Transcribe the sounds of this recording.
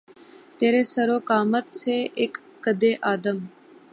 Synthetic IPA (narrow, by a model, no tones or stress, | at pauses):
t̪eːɾeːsəɾoːkaːmət̪seːʔeːkːəd̪eːʔaːd̪əm